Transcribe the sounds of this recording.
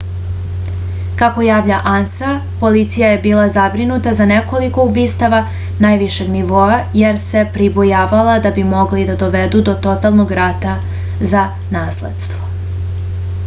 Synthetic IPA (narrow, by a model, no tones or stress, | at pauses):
kako̞jaːʋʎaʔansa | po̞lit̪sijaje̞biːlˠazabɾinut̪azaneko̞liko̞ubiːst̪aʋa | najʋiʃeɡniʋo̞ajeɾse̞pɾibojaːʋalˠad̪abimo̞ɡlid̪ad̪o̞ʋed̪ud̪o̞t̪o̞t̪alˠnoɡɾat̪a | za | naːslḛd̪st̪ʋo̞